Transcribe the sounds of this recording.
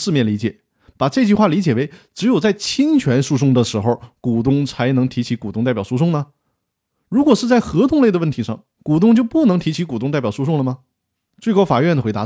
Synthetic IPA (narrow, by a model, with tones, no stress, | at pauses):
ʂɻ̩˥˧mjɛ˥˩nli˧˥t͡ɕjɛ˨˩˦ | pa˨˩ʈ͡ʂɤ˥˧t͡ɕy˥˧xwa˥˩li˧˥t͡ɕjɛ˨˩we˧˥ɪʈ͡ʂɻ̩˧˥jo˨˩ʊt͡sa˥˩ɪt͡ɕʰi˥ŋt͡ɕʰɥɛ˧˥nʂu˥˧ʂ̬ʊ˥˩ŋd̪ə˨ʂɻ̩˧˥xo˥˧ʊku˨˩t̪ʊ˥˧ŋt͡sʰa˧˥ɪnɤ˧˥ŋt̪ʰi˧˥t͡ɕʰi˧˥ku˨˩t̪ʊ˥ŋt̪a˥˩ɪpjʊʂu˥ʂ̬ʊ˥˩ŋnə˩ | ɻu˧˥kwɔ˨˩ʂɻ̩˥˧t͡sa˥˩ɪxɤ˧˥t̪ʰʊ˧˥ŋle˥˩d̪ə˩wə˥˩nt̪ʰi˧˥ʂɑ˥˩ŋ | ku˨˩t̪̬ʊ˥˧ŋt͡ɕjo˥˧ʊpu˥˩nɤ˧˥ŋt̪ʰi˧˥t͡ɕʰi˧˥ku˨˩t̪ʊ˥˧ŋt̪pjɑ˨˩ʊʂu˥˧ʂ̬ʊ˥˩ŋlə˩mɐ˩ | t͡swe˥˩ɪkɑ˥ʊfa˨˩ɥɛ˥˩nd̪ə˩xwe˧˥t̪a˧˥